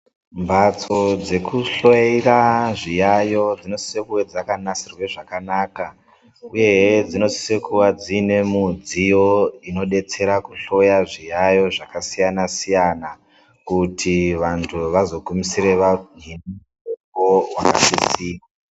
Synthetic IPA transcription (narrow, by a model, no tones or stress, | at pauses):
mbʱat͡so̞d͡ze̞kuɬoiraʐijajo̞d͡zino̞si̥sekuwed͡zakanasirwe̞ʐakanaːka | uje̞d͡zino̞si̥se̞kuwad͡zine̞mud͡zijo̞ino̞ɗe̞t͡se̞ɾakuɬo̞jaʐijajo̞ʐakasijanasijana | kutʰiʋantʰuʋazo̞ɡʱumisiɾeʋanini | ekowaka̰sisiːwa